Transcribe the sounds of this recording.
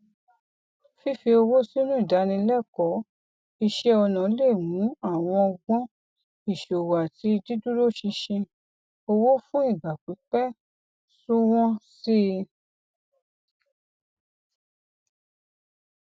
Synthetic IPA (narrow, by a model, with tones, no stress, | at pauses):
fi˦fi˧o˧wo˦si˦nũ˦i˦˨da˨˦nĩ˧lɛ˦˨kɔ˨˦ | i˧ʃɛ˦ɔ˧nã˨˦le˦˨wũ˨˦a˦˨w̃ɔ̃˧ɔ˧ɡ͡bɔ̃˦ | i˦˨ʃo˨wa˨ti˨˦˧di˦du˦ɾo˦˨ʃĩ˧ʃĩ˧ | o˧wo˦fũ˦i˦˨ɡ͡ba˨k͡pi˨˦k͡pɛ˦ | su˦w̃ɔ̃˦si˦